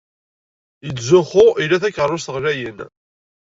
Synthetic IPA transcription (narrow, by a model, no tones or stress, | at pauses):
jət͡sːzʊχʊʔilæθækːʁəɾˤːʊs̬t̪əʁlæjən